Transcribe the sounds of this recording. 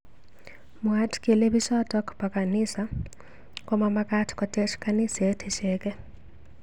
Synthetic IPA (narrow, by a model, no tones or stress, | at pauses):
muatʰi̥kʼɛleβiʃɔtʼakʰu̥pʰʼakʼanisa | kʼɔmamakʼatʰi̥kʼɔtʼɛʃʰi̥kʼanisetʰɛʃɛːkʼɛ